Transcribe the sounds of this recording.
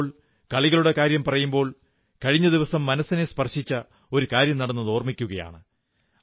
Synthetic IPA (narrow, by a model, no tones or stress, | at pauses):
ɭ | kɐɭiɣɐɭuɽe̞kaːɾjɐmpɐrɐjumbo̞ːɭ | kɐɻiɲːɐd̪iʋɐsɐmːɐnɐsine̞spɐrʂit͡ɕːɐ | o̞ɾukaːɾjɐmnɐɽɐnːɐðo̞ːrmikʲːuɣɐja̰ːɳɨ